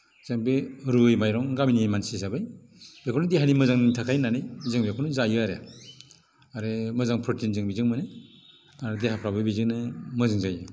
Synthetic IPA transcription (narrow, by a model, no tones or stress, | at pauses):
z̥aŋbeɾuɯjmajɾɔŋɡaminiajmansisabɯj | b̥ekʰɔnɯdeɦanimɯzaŋnɯŋtʰakʰajnanɯjzɯŋbekʰɔnɯzajɾaɾḛ | aɾemɯzaŋpʰɾotʰinzɯŋbizɯŋmɯne | aɾedeɦapʰɾabɯjbizɯŋnɯmɯzɯŋzajɯ